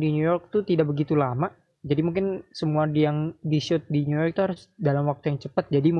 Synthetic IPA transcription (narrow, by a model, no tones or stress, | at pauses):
dinjujɔrk̚t̪ut̪idaʔbəɡit̪ulama | d͡ʒadimuŋkɪnsəmuadijaŋdiʃʊt̪̚dinujɔrk̚t̪uɦaɾʊsdalamwak̚t̪ujaŋt͡ʃəpat̪̚d͡ʒadim